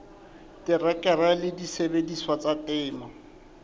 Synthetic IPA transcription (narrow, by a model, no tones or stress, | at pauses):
tʼɪrɛkʼɛralɪdisebediswat͡satɛːma